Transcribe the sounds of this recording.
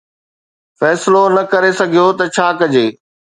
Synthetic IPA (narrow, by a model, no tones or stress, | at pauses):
fɛːsɪlonɐkɐɾesɐɡʱijot̪ɐt͡ɕʰaːkɐd͡ʑeː